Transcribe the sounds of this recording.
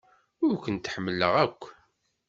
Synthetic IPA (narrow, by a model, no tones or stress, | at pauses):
ʊɾkʷənt̪ħəmːəlːə̰ʁækʷː